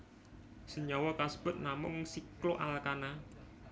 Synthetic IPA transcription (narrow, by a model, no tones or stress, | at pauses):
səɲɔwɔkasb̥ʊt̪̚namʊŋsikloʔalkana